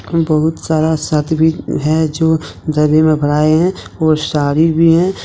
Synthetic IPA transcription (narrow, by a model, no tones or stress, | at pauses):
bɐɦʊt̪saːɾasət̪bʱiɦɛd͡ʒoː | d̪əɾbemẽbʱəɽ̤aːeɦɛ̃ | ɔːɾsaːɾibʱiɦɛ̃